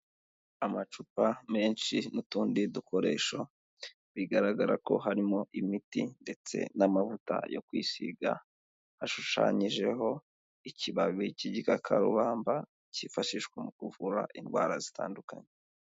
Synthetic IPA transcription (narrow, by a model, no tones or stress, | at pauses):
amat͡ʃupame̞ːnʃinutuːndiduko̞ɾe̞ːʃo | βiɡaɾaɡaɾa̰ko̞̰ɦaɾimo̞ʔimitinde̞t͡se̞̰namavuta̰jo̞̰kwiːsḭɡa | haʃuʃa̰ɲiʒe̞ɦo̞ | iciβaβiciɟikakʰaɾṵβaːmba | cifaʃiʃkwemukuvuɾa̰ʔinɡwa̰ːɾazitʰa̰ːndukaɲe